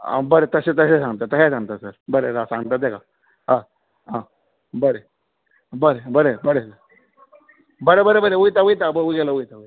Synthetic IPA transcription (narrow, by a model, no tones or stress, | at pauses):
bəɾet̪əset̪əsesãŋɡt̪at̪əsesãŋɡt̪asəɾbəɾeɾasãŋɡt̪at̪̚ːekʰa | ɦã | ɦã | bəɾe | bəɾebəɾebəɾesəɾ | bəɾebəɾebəɾeʋujt̪aʋujt̪abəuɡɛlaʋujt̪aʋujt̪